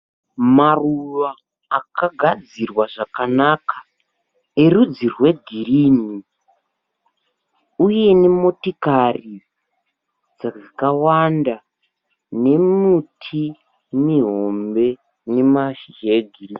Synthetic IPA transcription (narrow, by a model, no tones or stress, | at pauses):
maruʋaː | kaɡʱad͡zirwaʐakanakʰa | eɾud͡zirwe̞ɡʱiriːni | uje̞nemo̞tikari | d͡zaakawanda | ne̞mutʰi | miɦo̞mbe̞ | ne̞maʃiʒeɡʱiri